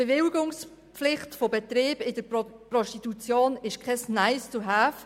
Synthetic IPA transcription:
b̥evɪlɡʊŋs | pflɪχtfobetreːb̥ɪdəɾprɔʃtitut͡sjoːnɪʃkʰɛsnaɪst͡suɦaːf

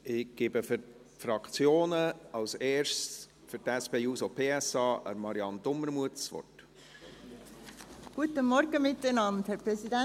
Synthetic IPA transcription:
ɪɡ̥eːbəfʏɾ | fɾɑkt͡sjoːnəɑlseːɾʃ | fʏɾtɛspeːuːsopʰeːɛsɑːʔə̰mɑɾiɑnd̪ʊməɾmuətsʋɔ̰rt | ɡ̥uət̪əmɔɾɡəmɪt̪ənɑnthɛpʁɛsidɛ

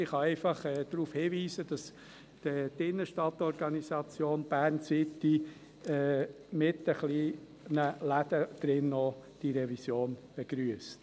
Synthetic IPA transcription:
ɪχɑɛɪfɑχɛːd̥̪ɾuːfhiːviːsəd̥ɑs | d̥ɛtɪnːəʃtɑtɔɾɡɑnisɑt͡sjoːnb̥æːɾnsɪtːi | ɛː | mɪtəχli | nəlæd̥̪əd̥ɾɪnːɔd̥iɾɛvisjoːnb̥eɡ̥ɾyəst

